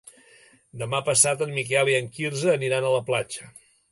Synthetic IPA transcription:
d̪əmapəsat̪əmmikɛlˠiəŋkirzəːniɾanələplat͡ʃə

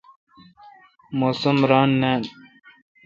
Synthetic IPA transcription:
moːsɐmɾaːnːaːn

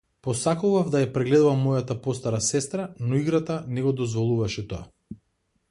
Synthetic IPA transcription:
pɔsakuvavd̪ajapɾɛɡlɛd̪uvamːɔjat̪apɔst̪aɾasɛst̪ɾanɔiɡɾat̪anɛɡɔd̪ɔzvɔlˠuvaʃɛt̪oa̰

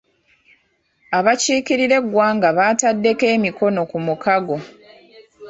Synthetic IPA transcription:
aβaciːkiɾiɾe̞ɡːwaːŋɡaβaːtadːe̞ke̞ːmiko̞no̞kumukaɡo̞

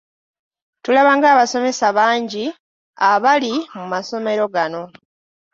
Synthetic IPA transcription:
tulaβaːŋɡaːβaso̞me̞saβaːɲɟi | aβalimumaso̞me̞ɾo̞ɡano̞

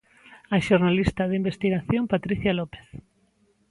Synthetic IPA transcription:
aʃoɾnalist̪aðimbest̪iɣaθjompat̪ɾiθjalope̥θ

